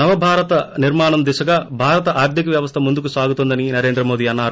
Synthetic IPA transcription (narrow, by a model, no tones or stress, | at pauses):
nɐʋɐbʱaːɾɐt̪ɐniɾmaːɳɐmd̪iʃɐɡaːbʱaːɾɐt̪ɐʔaːɾd̪jikɐʋjɐʋɐst̪ʰɐmund̪ukusaːɡut̪ond̪ɐninɐɾe̞ːnd̪ɾɐmo̞ːd̪iːɐnːaːɾu